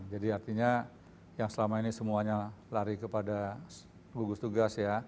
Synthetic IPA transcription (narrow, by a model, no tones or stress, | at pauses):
d͡ʒadiart̪iɲa | jaŋsəlamainisəmuaɲalaɾikəpada | ɡuɡusət̪uɡasja